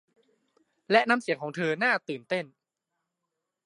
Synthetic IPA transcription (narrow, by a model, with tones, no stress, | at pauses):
lɛ˦˥ʔna˧msi˩˦əŋkʰɔː˩˦ŋt̪ʰɤː˧naː˥˩t̪ɯː˨˩nt̪e˥˩n